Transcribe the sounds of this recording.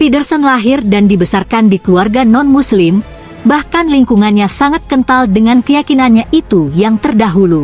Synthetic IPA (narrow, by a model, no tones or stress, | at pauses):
fidərsənlaɦɪrdandibəsarkandikluarɡanɔnmuslɪm | bahkanliŋkuŋanɲasaŋat̪̚kənt̪aldəŋankəjakinanɲaʔit̪ujaŋt̪ərdaɦulu